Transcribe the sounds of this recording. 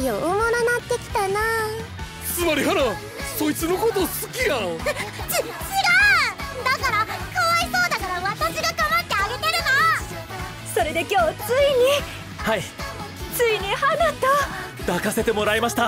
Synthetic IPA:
jomononat̪ːe̞kʲi̥t̪ana | t͡sɨmaɾʲihaɾa | soit͡sɨnokot̪osɨ̥kʲijat͡ɕit͡siɾad̪akaɾakaβaiso̞ːd̪akaɾaβat̪aɕiɡaɡamat̪ːe̞aɡe̞t̪eɾɯ̟na | so̞ɾe̞d̪e̞kʲo̞ːt͡sɨiɲ̟i | hai | t͡sɨiɲ̟ihanat̪a | d̪̥akase̞t̪e̞mo̞ɾaimaɕi̥t̪a

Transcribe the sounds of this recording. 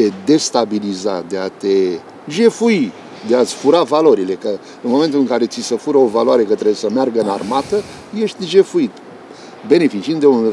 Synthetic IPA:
ed̪e̞st̪abiliza̰d̪e̞at̪e̞ | ʒe̞fui | d̪eat̪sʲfuɾavalo̞ɾile̞kə | ɨnmo̞me̞nt̪ulɨŋkaɾe̞t̪sisəfuɾəo̞valoaɾe̞kət̪ɾebjsəmearɡəɨnarmat̪ə | je̞ʃt̪ʲʒe̞fuit̪ | be̞ne̞fit͡ʃiind̪eun

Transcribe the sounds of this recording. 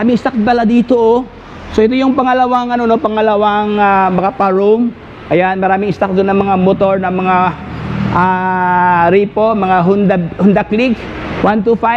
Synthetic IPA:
aːmɪŋɪst̪ak̪̚bɐlad̪iːt̪oʔo | soʔɛt̪ojʊŋpɐŋɐlɐwaŋʔɐnonopɐŋɐlɐwaŋamɐkapɐɹom | ʔɐjanmɐɾaːmɪŋɪst̪ak̚d̪onɐŋmɐŋamot̪o̞ɹnɐmɐŋa | ʔa | ɾiːpomɐŋaɦʊnd̪ɐhʊnd̪aklik | want̪ufaj

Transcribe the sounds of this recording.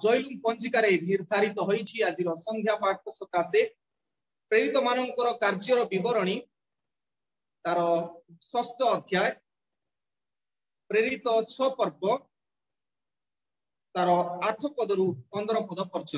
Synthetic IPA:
d͡ʒɔjlupɔnt͡ʃʰikaɾeniɾd̪ʱaɾit̪ɔɦɔjt͡ʃʰiad͡ʒiɾɔsɔnd̪ʱjapaʈ̚ɔsɔkase | pɾeɾit̪ɔmanɔŋkɔɾɔkaɾd͡ʒɔɾɔbibɔɾɔɽ̃i | t̪aɾɔswɔst̪ɔːd̪ʱjaj | pɾeɾit̪ɔt͡ʃʰɔpɔɾpɔ | t̪aɾɔaʈʰɔpɔd̪ɔɾutɔnd̪ɾɔpɔd̪ɔpɔɾt͡ʃʰɔ

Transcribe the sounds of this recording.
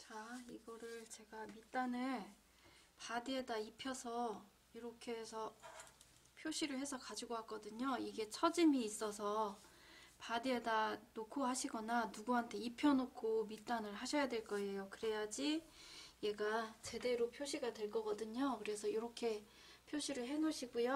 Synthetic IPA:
t͡ɕaiɡʌɾɯɭt͡ɕe̞ɡamit͈anɯɭ | padɯedaipʰjʌsʰʌ | iɾʌkʰe̞sʰʌ | pʰjoɕʰiɾɯɭhe̞sʰʌkad͡ʑiɡoɦak͈ʌdɯɲoiɡe̞t͡ɕʰʌd͡ʑimiːs͈ʌsʰʌ | padɯedanokʰoɦaɕʰiɡʌnanuɡuɦantʰe̞ipʰjʌnokʰomit͈anɯɭɦaɕʰʌjadwe̞ɭk͈ʌe̞jokɯɾe̞jad͡ʑije̞ɡat͡ɕe̞de̞ɾopʰjoɕʰiɡadwe̞ɭk͈ʌɡʌdɯɲokɯɾe̞sʰʌjoɾʌkʰe̞ | pʰjoɕʰiɾɯɭɦe̞noɕʰiɡujo

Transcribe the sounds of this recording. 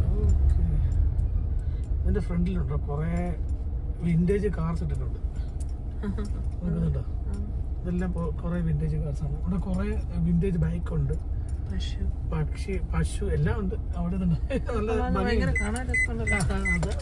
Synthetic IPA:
okʰːe | ɐðindefreɳɖiluɳɖɐkureː | ʋinde̞ːd͡ʑɨkaːrsiʈːikːuɳɖɨ | ok̬ːenːuɳɖa | ɐðelːaːmkureːʋinde̞ːd͡ʑɨkaːrsaːɳʋɽekureʋinde̞ːd͡ʑɨbajkːuɳɖɨpɐɕupɐkʂipɐɕuelːaːuɳɖɨɐʋiɽenɐnɐnɐlːɐbɐiɐkaːɳaːnet̪ːɳːɐlːaɐðɨ

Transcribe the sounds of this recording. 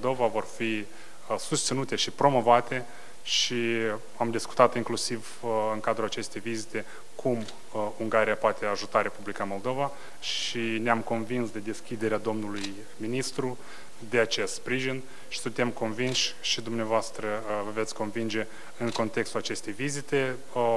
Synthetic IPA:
ld̪o̞vavo̞rfi | sust̪sinut̪e̞ʃipɾo̞mo̞vat̪e̞ | ʃi | amd̪isku̥t̪at̪iŋklusiv | ɨŋkad̪ɾulat͡ʃe̞st̪e̞jvizit̪e̞ | kʰum | uŋɡaɾijapoat̪ʰe̞aʒut̪aɾe̞publikamo̞ld̪o̞va | ʃineamko̞nvinsd̪e̞d̪e̞skʲid̪e̞ɾead̪o̞mnuluj | minist̪ɾu | d̪e̞at͡ʃe̞st̪spɾiʒin | ʃi̥sunt̪e̞mko̞nvinʃʲʃid̪umneavoast̪ɾəvəvet̪sʲko̞nvind͡ʒe̞ | ɨŋko̞nt̪e̞kst̪ulat͡ʃe̞st̪e̞jvizit̪e̞

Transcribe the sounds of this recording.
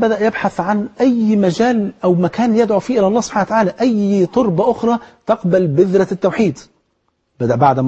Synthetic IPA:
bæd̪æʔjɪbħaθʕanʔæjmæd͡ʒæːlʔæwmækæːnjɪd̪ʕufiːʔɪlæʔɑlˤːɑːsob̥ħanwt̪aʕaːlæʔæjt̪ˤoɾbɑʔʊxɾˤɑːt̪ɑqbælbɪðɾɑt̪ːawħiːd̪ | bæd̪æʔbaʕd̪

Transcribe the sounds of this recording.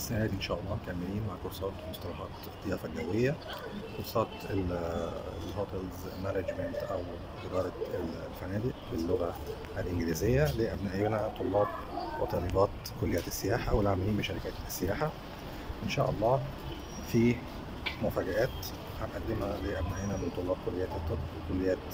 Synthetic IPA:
ʔsːænæːd̪iʔenʃæːʔɑlˤːɑːmk̪æmːeliːnmaʕkoɾˤsˤɑːt̪most̪ɑlɑħɑ̰ːt̪ | t̪ːejɑːfælɡæwejːækoɾsˤɑːt̪e | lhoːt̪lz | mænæd͡ʒmænt̪ʔæw | ʔeɾɑːd̪æe | lfænæːd̪iʔfelːoɣæ | ʔælʔɪnɡɪliːzejːæleːʔæbnæʔenæt̪ˤolːɑːb̚wḛt̪ˤɑlibɑːt̪ | kolːejːæt̪esːejaːħawelʕaʕmeliːmbeʃæɾikæːt̪sːejaːħa | ʔenʃæ̰ːʔɑ̰lˤːɑː | fiː | mʊfæɡæʔæːt̪ | ħanʔæd̪ːemhæleːʔæbnæʔenæment̪ˤolˤːɑːb̚kolːejːæːt̪et̪ˤːɑt̪wekolːejːæːt̪

